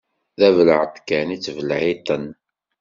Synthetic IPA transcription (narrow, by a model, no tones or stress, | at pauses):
ðævələʕət̪ˤːkænit͡sːvəlʕit̪ˤən